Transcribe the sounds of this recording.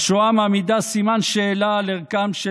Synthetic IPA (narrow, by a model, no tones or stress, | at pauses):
ʃoamamid̪asimanʃeːlaːleʁkamʃ